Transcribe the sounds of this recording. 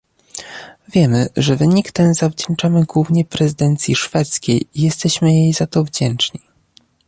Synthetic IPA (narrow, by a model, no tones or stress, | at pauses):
vʲjɛmɘʐɛvɘɲikt̪ɛnzavd͡ʑɛnt͡ʂamɘɡwuvɲɛpɾɛzɘd̪ɛnt̪sʲjiʂfɛt̪skʲejijɛst̪ɛɕmɘjejzat̪ɔvd͡ʑɛnt͡ʂɲi